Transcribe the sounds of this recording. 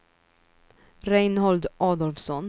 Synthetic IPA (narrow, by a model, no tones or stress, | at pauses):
ɾɛjnhɔld̪ʔɑːd̪ɔlfsɔn